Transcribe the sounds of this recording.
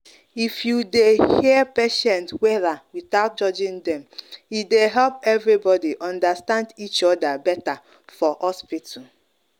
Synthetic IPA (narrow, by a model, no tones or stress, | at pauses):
ifjudehiəpeʃɛ̃ntwɛɾawiθaʊt̚d͡ʒɔd͡ʒĩndɛ̃mjideɦɛlpɛvɹibɔdiʔɔ̃ndastãndit͡ʃɔdabɛta | fɔhɔspit